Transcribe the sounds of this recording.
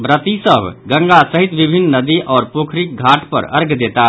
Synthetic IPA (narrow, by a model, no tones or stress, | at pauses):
bɾət̪isəbʱɡəŋɡasəɦit̪bibʱinːnəd̪iʔɔːɾpokʰɾik̚ɡʱaʈpə̰ɾə̰ɾɡd̪et̪a